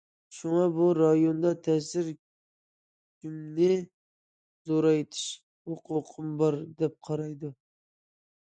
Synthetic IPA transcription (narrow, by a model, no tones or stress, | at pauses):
ʃʊŋɑbuɾɑjond̪ɑt̪ʰɛsɪɾ | kʲymnɪ | zoɾɑjt̪ʰɪ̥ʃ | hoqʰʊqʰɨmbɑɾd̪ɛp̚qʰɑɾɑjd̪ʊ